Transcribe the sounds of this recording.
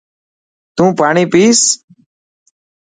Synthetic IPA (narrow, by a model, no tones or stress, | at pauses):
t̪ũːpaːɳiːpiːs